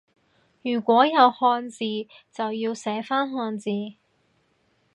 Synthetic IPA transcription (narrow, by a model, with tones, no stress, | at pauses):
jyː˨˩kʷɔː˨˥jɐ˨˧whɔː˧nt͡siː˨˧ | t͡sɐ˨wjiː˧wsɛː˨˥faː˥nɦɔː˧nt͡siː˨˧